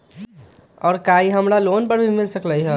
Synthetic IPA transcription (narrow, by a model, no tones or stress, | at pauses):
ɔːɾkaiɦəmɾaloːnpəɾbʱimɪlsəkləjɦɛ